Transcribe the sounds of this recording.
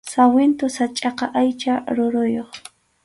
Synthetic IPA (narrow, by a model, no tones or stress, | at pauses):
sawɪnt̪ʊsat͡ʃʼɑqɑʔajt͡ʃaɾʊɾʊjoχ